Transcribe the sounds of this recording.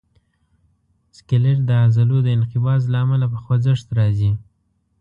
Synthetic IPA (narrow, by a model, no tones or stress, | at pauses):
skeleɾd̪əazalod̪əɪnqɪbɑzlaːmalapəxwazəʂt̪ɾɑzi